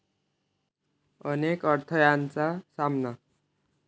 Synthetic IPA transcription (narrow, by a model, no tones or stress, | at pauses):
ʌnekʌrt̪ʰʌjant͡sasamna